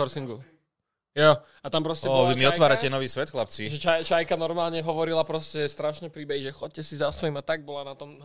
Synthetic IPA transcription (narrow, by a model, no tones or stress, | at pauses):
ɔɾsiŋɡu | ja | at̪ampɾɔscɛbʋimiɔʋaːɾacɛnɔʋiːsʋɛt̪xlap̚t͡siʒɛt͡ʃat͡ʃajkanɔɾmaːlɲɛɦɔʋɔɾilapɾɔscɛst̪ɾaʃɲɛpɾiːbɛɦiʒɛxɔc̚cɛsizasʋɔimat̪aɡ̚bɔlanat̪ɔm